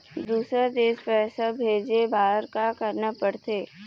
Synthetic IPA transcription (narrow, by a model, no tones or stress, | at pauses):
d̪uːsɾed̪eːspɛːsabʱeːd͡ʒebaːəɾkakəɾnapəɽt̪eː